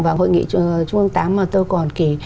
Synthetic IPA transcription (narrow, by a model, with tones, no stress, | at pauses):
ŋvaː˨˩ŋho̰˧˨jŋḭ˧˨t͡ɕʊ˧ŋə˧ŋt̪aː˨˦mːaː˨˩t̪oː˧jkɔ˨˩nki˧˩